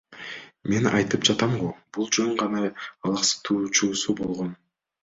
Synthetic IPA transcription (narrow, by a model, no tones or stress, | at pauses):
me̞nɑ̰jt̪ɯpd͡ʒɑt̪ɑmʁob̥ulˠd͡ʒøɴʁɑnɑɑlˠɑqsɯ̥t̪ʰuːt͡ʃuːsubo̞lˠʁo̞n